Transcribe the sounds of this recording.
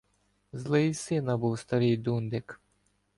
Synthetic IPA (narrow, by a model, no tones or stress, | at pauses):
zlˠɪjsɪnɐbuwst̪ɐɾɪjd̪und̪ɪk